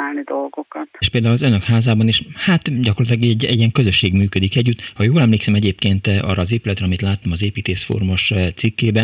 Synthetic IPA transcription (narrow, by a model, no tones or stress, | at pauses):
aːlnid̪o̞lɡokɒt̪ːʃpeːld̪aːulɒzønøkhaːzaːbɒneːʃhat̪ɟɒkorlɑt̪lɒɡɛɛɟɛɟiɛŋkø̞zø̞ʃːeːɡmyːkød̪ikɛɟːyt̪ːhɒjoːlɛmleːksɛmɛɟeːp̚keːnt̪ʔɒ̰ːrːɒːzeːpylɛt̪ɾɛɒmit̪laːt̪ːomɒzeːpiːt̪eːsfo̰rmoʃt̪sikːeːbɛ